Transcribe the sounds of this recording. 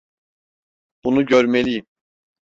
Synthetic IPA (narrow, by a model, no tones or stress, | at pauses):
b̥unuɟøɾmelʲijim